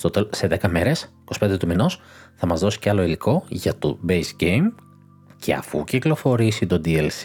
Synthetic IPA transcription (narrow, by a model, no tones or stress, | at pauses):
st̪ot̪ese̞ðekɐme̞ɾe̞s | ko̞si̥pe̞nd̪e̞t̪uminos | θɐmɐzðo̞si̥ceɐlo̞iliko̞ʝɐt̪o̰bejsɟejm | cʰe̞̰ɐ̰fuciklo̞fo̞ɾisit̪o̞d̪ielsi